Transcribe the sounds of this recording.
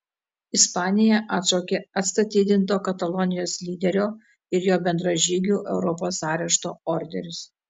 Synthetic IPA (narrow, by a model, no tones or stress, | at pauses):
ɪspɑːnʲɪjɛʔɑːt̪ʃoːkʲeːɐt̪st̪ɐt̪ʲiːd̪ʲɪnt̪oːkɐt̪ɐlˠɔnʲɪjoːslʲiːd̪ʲɛɾʲoː | ɪɾjoːbʲɛnd̪ɾɐʒʲiːɡʲuːʔɛʊɾɔpoːsɑːɾʲɛʃt̪o̰ːɔɾʲd̪ʲɛɾʲʊs